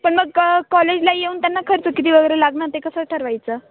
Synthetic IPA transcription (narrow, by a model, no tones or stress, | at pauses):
pəɳməɡkɔled͡ʑlajeuːnt̪janːakʰəɾt͡səkit̪iːʋəɡəjɾelaɡnat̪ekəsəʈʰəɾʋajt͡səː